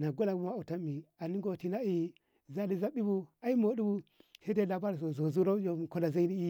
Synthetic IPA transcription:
na˨ɡo˦la˨ɡu˦ma˦a˨ta˦mi˨a˨ni˦ɡo˨ti˨na˦i˨ | za˦li˨za˦ɓi˦bu˨a˦i˦mo˨˦di˦bu˦se˦de˦la˨ba˦ɾso˨zo˨zu˦ɾo˦jo˨ko˦la˨za˦i˦ni˦i˦

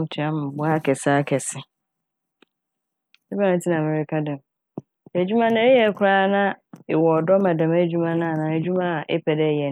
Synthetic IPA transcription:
ũ˨tʰi˨a˦m̃˨bʊ˦a˦kʰɛ˨sa˦kʰɛ˨sɪ˦ | ɛ˦ba˦ã˨˦tʰi˦nã˨mɛ˨ɾɪ˦kʰa˦dɛ̃˨m | æ˨d͡ʑᶣu˦mã˦nã˦jɛ˨˦kʷʰʊ˦ɾaː˦nã˦e˨wɔ˨dɔ˦mã˨dã˨mæ˨d͡ʑᶣu˦mã˦nã˦a˨nã˨æ˨d͡ʑᶣu˦mã˦a˨ʔɛ̰˦pʰɛ˨dɛ˦˨jɛ˨

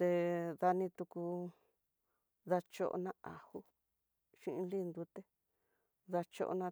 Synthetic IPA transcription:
t̪e˧ða˧nĩ˧t̪u˧ku˧ | ða˧t͡ʃo̰˦˧ʔo̰˧nã˦˧a˨hu˦ | ʃĩ˦˧ʔĩ˧li˦˧nd̪u˧˦t̪e˦ | ða˧t͡ʃo̰˧ʔo̰˧nã˧

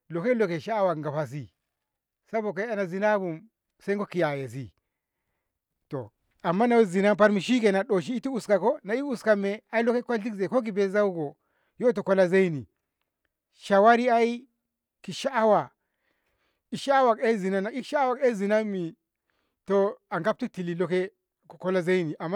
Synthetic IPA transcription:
lo˨ke˦lo˨ke˨ʃa˦wa˨kŋ˨ɡa˨pa˨s̬i˦ | sa˦bo˨k̬e˦a˦na˨zi˨na˦bu˨m | se˦ɡo˦ki˨ja˨je˨s̬i˦ | to˨ | a˨mːa˦na˨wzi˨na˦mpa˦ɾmi˨ʃi˦ke˨na˨ɗo˨ʃ̬i˦i˦ti˦u˨ska˨ko˦na˨i˦u˨ska˦me˨a˦i˦lo˦ke˦kʷa˦lt̬i˦kze˨ko˦ki˨be˦za˦wu˦ɡo˨ | jo˦t̬o˨ko˦la˦ze˦i˦ni˨ | ʃa˨wa˦ɾi˦a˦i˦ | ki˨ʃa˦a˦wa˨ | i˨ʃa˦a˦wa˨ke˦zi˨na˦na˨i˦ʃa˦wa˨ke˦zi˨na˦mːi˨ | to˨a˨ŋɡa˦p̚ti˦ti˨li˨lo˦ke˦˨ | ko˦la˦ze˦i˦ni˨ʔa˨mː˦

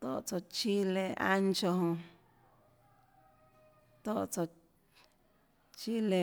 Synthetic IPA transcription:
t̪o̰˦˧ʔt͡so˧˨t͡ʃi˦le˧ʔa̰˧nt͡ʃo˧hõ˧ | t̪o˦˨t͡so˧ | t͡ʃi˦le˨

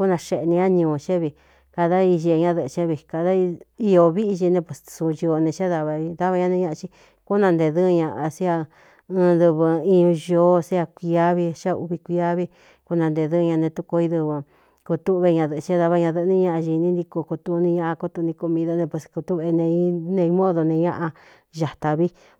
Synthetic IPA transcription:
ku˦nã˧ʃe˧˨˧nĩ˧ã˦ɲũ˨˧t͡ʃe˦βi˧˨ | ka˧ða˦i˧ʒi˧ɲã˦˧ðɨ˧t͡ʃẽ˦βi˧ka˧˨ða˦˧i˧o˧βi˦ʔi˧ʒi˧nẽ˧pʷe˨ssu˧jo˧o˧nẽ˧t͡ʃe˦ða˧βa˧ða˦βa˧ɲã˧nẽ˧ɲã˧ʔã˧t͡ʃi˦ | ku˦nã˧nd̪e˧ðɨ˦˧ɲã˧ʔa˧si˦a˧ | ɨ̃˧ðɨ˧βɨ˧i˧ũ˧ʒo˧˦sa˧kʷi˧a˦βi˧ʃa˦˧ṵ˧βi˧kʷi˧a˦βi˦ | ku˦nã˧nd̪e˧ðɨ˦˧ɲã˧nẽ˧t̪u˦ko˧i˧ðɨ˧βɨ˧ | ko˧t̪u˦˧βe˧ɲã˧ðɨ˧t͡ʃe˦ða˧βa˧ɲã˧ðɨ˧nĩ˦˧ɲã˦ʔa˧ʒi˧nĩ˦nd̪i˧ko˧ko˧t̪u˧nĩ˧ɲã˦ʔa˧ko˦t̪u˧nĩ˧ku˧mĩ˧ðo˧nẽ˧pwe˧sku˧t̪u˦βe˧nẽ˧i˦nẽ˧i˧˦mõ˦ðo˧nẽ˧ɲã̰˦ʔa˧ | ʒa˨t̪a˧βi˦

